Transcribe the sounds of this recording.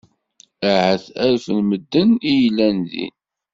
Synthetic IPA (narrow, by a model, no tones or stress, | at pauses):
aʕæθæɾfənməd̪ːənijəlːænðḭn